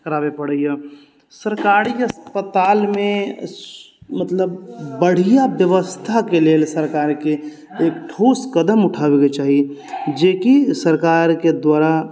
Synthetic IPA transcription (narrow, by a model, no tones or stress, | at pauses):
kəɾaːbepəɽəja | səɾkaːɾiəspət̪aːlmẽ | mət̪ləbbəɽ̤ijabjəʋəst̪ʰakeleːlsəɾkaːɾke | eːkʈʰoːskəd̪əmʊʈʰaːweket͡ʃaːɦied͡ʒeːkisəɾkaːɾked̪waːɾa